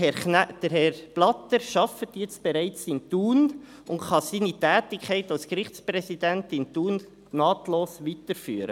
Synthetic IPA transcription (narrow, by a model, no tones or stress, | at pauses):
d̥əɾhɛɾb̥lɑtəɾʃɑfətjɛt͡sb̥ɛɾɛɪt͡sɪntuːn | ʊntχɑsiːnitɛːtɪkʰχɛɪtalskɾɪχt͡spɾɛsidɛntɪntuːn | nɑːtloːsʋitəɾfy̰ːəɾə̰